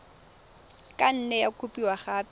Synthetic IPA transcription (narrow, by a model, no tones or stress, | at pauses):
kʼan̩nɛjakʰʼupʼiwaχaːpʼ